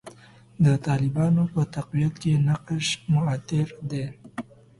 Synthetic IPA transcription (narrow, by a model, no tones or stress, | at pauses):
d̪ət̪ɑlɪbɑnopət̪aqwijat̪kenaqʃmʊat̪ɪɾd̪e